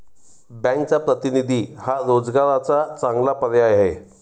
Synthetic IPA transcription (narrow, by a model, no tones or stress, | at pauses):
bɛ̃ŋk̚t͡sapɾət̪inid̪ʱiːhaɾod͡zɡaɾat͡sat͡sãŋɡlapəɾjajɦe